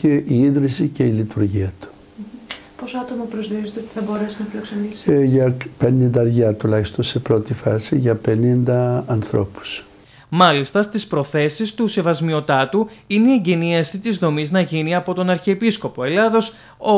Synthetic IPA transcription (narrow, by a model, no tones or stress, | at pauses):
ceiiðɾisice̞ilit̪uɾʝiɐt̪u̥ | posɐt̪o̞mɐpɾozðiozet̪eot̪i̥θɐbo̞ɾe̞sinɐflɐksonisʝɐpe̞nind̪ɐɾʝɐt̪ulɐçist̪o̞nsepɾo̞t̪ifɐsiʝɐpe̞nind̪ɐːnθɾo̞̰pu̥s | mɐlist̪ɐst̪ispɾo̞θe̞sist̪use̞vɐzmio̞t̪ɐt̪uineie̞ɲɟe̞niɐsit̪izðo̞miznɐʝiniɐpo̞t̪o̞nɐɾçeːpisko̞po̞e̞lɐðo̞s | o